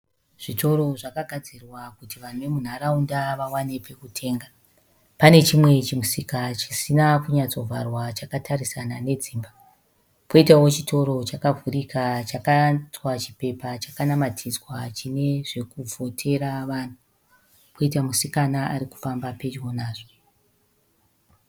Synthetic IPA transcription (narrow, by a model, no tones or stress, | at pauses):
ʐ̥itʰo̞ɾo̞ʐakaɡʱad͡zirwakutiʋan̤uʋe̞mun̤aɾaundaʋawanepe̞kutʰe̞ːŋɡa | pane̞t͡ʃimwe̞t͡ʃimusikat͡ʃisinakuɲat͡so̞vʱarwat͡ʃakatʰaɾisanane̞d͡ziːmba | po̞itawo̞t͡ʃitʰo̞ɾo̞t͡ʃakavʱurikat͡ʃakat͡swat͡ʃipe̞pat͡ʃakanamatʰizwat͡ʃine̞ʐe̞kuvʱo̞tʰe̞ɾaʋaːn̤u | pʰoitamusikanaaɾiku̥fambape̞d͡ʒwo̞naːʐo